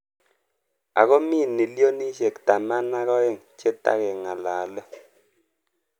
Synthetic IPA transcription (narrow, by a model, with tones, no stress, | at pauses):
a̰˨kɔ˦mi˦˨nːi˨ljo˦ni˦ʃe˨kta˨ma˦na˦kɔ˦ɛ˦˨ŋt͡ʃe˦ta̰˦kɛ˨ŋa˨laː˨lɔ˦